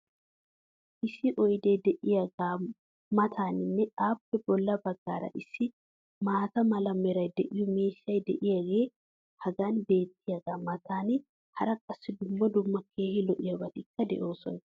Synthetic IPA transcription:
ʔɪsɪʔɔjd̪eːd̪ɛʔɪjɐɡaː | mɐt̪ʰaːnɪnːɛaːpːɛbɔlːɐbɐɡːaːɾɐ̰ʔɪsːɪ | maːt̪ɐmɐlɐmːɛɾɐjd̪ɛʔɪjʊmeːʃːɐjd̪ɛʔɪjɐɡe̞ː | hɐɡaːnbe̞ːt̪ːɪjɐɡaːmɐt̪ʰaːnɪ | hɐɾɐkʼɐsːɪd̪ʊmːɔd̪ʊmːɐkʰe̞ːhɪlɔʔɪjɐbɐt̪ɪkːɐd̪ɛ̰ʔo̞ːsɔn

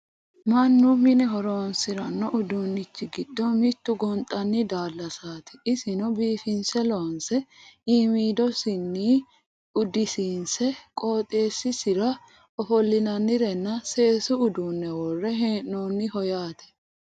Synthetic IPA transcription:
mɐnːʊmɪnɛɦɔɾoːnsɪɾɐnːɔʔʊd̪uːnːɪt͡ʃːɪɡɪd̪ːɔmɪt̪ːʊɡɔnt̪ʼːɐnːɪd̪aːlːɐsaːt̪ɪ̥ɪsɪnɔbiːfɪnsɛloːnsɛiːmiːd̪ɔsɪnːiː | ʊd̪ɪsiːnsɛkʼoːt̪ʼeːsːɪsɪɾɐ | ɔfɔlːɪnɐnːɪɾɛnːɐse̞ːsʊʊd̪uːnːɛwɔrːɛɦnoːnːɪhɔjaːt̪ɛ̥

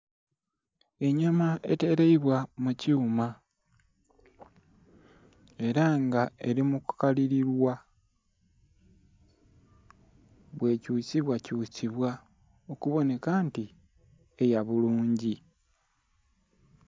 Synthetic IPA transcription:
e̞ɲamae̞̰te̞ɾeiβwamucuːma | e̞ɾaŋɡae̞̰ɾimuku̥kaliɾiɾwa | βwe̞ːcuːt͡siβwacuːt͡siβwa | o̞kuβo̞ne̞kaːnti | e̞jaβuluːɲɟi

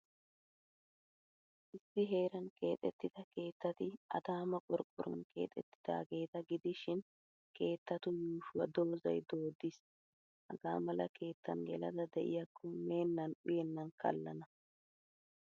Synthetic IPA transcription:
ʔɪsːɪɦe̞ːɾɐnkʰe̞ːt̪ʼːɛt̪ːɪd̪̥ɐke̞ːt̪ːɐt̪ɪʔɐ̰d̪aːmɐkʼɔɾkʼːʊɾɐ̰nkʰe̞̰ːt̪ʼɛt̪ːɪ̥d̪̥a̰ːɡe̞ːt̪ɐɡɪd̪ɪʃɪn | ke̞ːt̪ːɐt̪ʊjuːʃʊwɐd̪o̞ːzɐ̰jd̪o̞ːd̪ɪs | hɐ̰ɡaːmɐlɐ̰ke̞ːt̪ːɐ̰nɡɛlɐd̪ɐd̪ɛʔɪ̰jɐkːɔme̞ːnːɐnʊjɛnːɐnkɐ̰lːɐnɐ

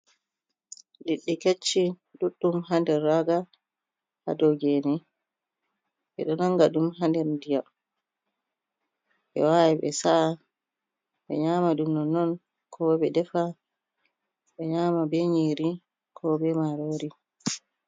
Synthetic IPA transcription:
liɗːiket͡ʃːi | duɗːumhandɛɾːaɡa | ha̰dɔɡenɛ | ɓɛɗɔnaŋɡadumɦandɛɾndija | ɓɛ̰wajɛɓɛ̰sa | ɓɛ̰ɲaːmadunːɔnːɔn | kʰɔbɛdɛfa | ɓɛɲaːmabɛɲiːɾi | kʰɔbɛmaɾoɾi

